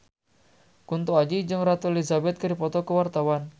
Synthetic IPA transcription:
kunt̪uad͡ʒid͡ʒɨŋɾat̪ulizabɛt̪̚kədipɔt̪ɔkəwart̪awan

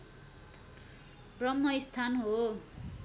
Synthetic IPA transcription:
brʌmːʌist̪ʰanɦo

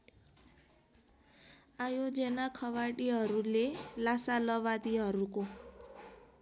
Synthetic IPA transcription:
ajod͡zʌnakʰʌβaɽiɦʌɾulelasalʌβad̪iɦʌɾuko

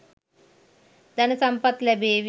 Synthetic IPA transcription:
d̪ənəsɐmpət̪labeʋ

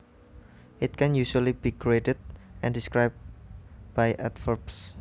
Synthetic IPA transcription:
ʔɪt̪̚kɛ̃njuʃualibikɾietəd̚ʔɛ̃ndiskɾajb̚b̥ajʔɛtfərbs

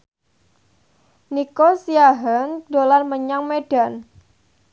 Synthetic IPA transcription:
nikosijaɦəndolanməɲaŋmed̥an

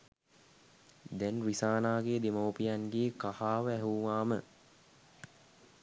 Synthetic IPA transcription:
d̪ɛnɾisaːnaːɡeːd̪emoːpijanɡeːkahaːʋəæɦuʋaːmə

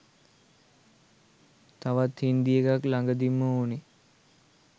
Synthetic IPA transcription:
t̪aʋat̪hind̪ijəɡaklaŋɡəd̪imːəone

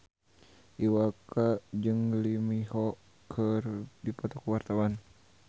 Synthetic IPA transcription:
ʔiwakad͡ʒɨŋlimihɔ | kʰərdipat̪ɔkuwart̪awan

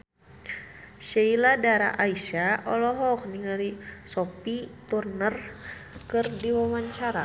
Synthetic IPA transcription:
ʃeiladaɾa̰ʔaiʃaʔɔlɔɦɔk̚niŋaɾisɔpit̪urnərkɨrdiwawaɲt͡ʃaɾa

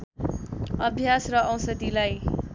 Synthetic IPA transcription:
ʌbʱjasrʌʔʌw̃sʌd̪ilaj

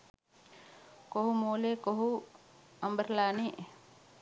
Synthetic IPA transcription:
koɦumoːleːkoɦu | ɐmbəɾlaːni

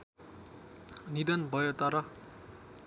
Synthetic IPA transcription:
nid̪ʌnbʱʌjot̪ʌɾʌ

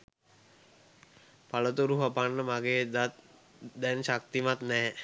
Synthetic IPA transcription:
palət̪uɾuɦapanːəmaɡeːd̪a | d̪ɛnʃak̚t̪imat̪nɛː

